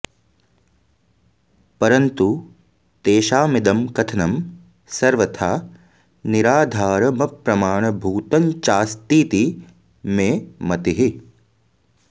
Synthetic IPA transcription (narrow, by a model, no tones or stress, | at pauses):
pɐɾɐnt̪u | t̪eːʃaːmɪd̪ɐmkɐt̪ʰɐnɐm | sɐɾʋɐt̪ʰaː | niɾaːd̪ʱaːɾɐmɐpɾɐmaːɳ̃ɐbʱuːt̪ɐɲt͡ʃaːst̪iːt̪i | mẽːmɐt̪iɦi